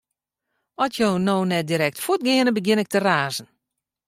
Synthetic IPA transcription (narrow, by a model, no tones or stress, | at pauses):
ɔtjoːnoːnɛt̚diɾɛk̚tfut̚ɡɪənəbəɡjɪnɪk̚təraːzən̩